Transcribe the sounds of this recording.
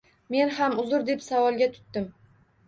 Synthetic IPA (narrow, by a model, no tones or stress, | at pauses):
me̞nhamʊzʊɾd̪e̞psavɒlˠɡʲat̪ʰʊ̥t̪ːɪm